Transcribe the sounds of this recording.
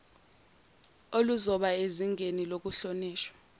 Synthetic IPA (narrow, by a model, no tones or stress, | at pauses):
oluzɔɓaeziŋʱenilok̬uɬoniːʃwḁ